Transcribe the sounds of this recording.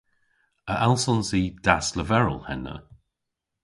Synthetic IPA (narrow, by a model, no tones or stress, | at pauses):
əʔalˠsɔnsid̥asləvɛɹə̰lˠhɛnə̰